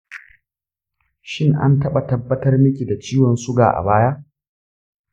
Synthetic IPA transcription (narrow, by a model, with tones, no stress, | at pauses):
ʃɪ˦˨ŋʔa̰˦ntɐ˦ɓa˨tɐ˦bːɐ˦tɐ˦rmɪ˦kʲi˨da˨t͡ʃiː˦wɔ˨nsʊ˦ɡa̰ː˨ʔa̰˨baː˦ja˦ʔ